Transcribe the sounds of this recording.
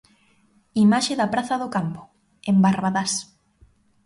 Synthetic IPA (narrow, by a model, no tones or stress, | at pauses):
imaʃeðɐpɾaθɐðʊkampʊ̥ | embaɾβaðas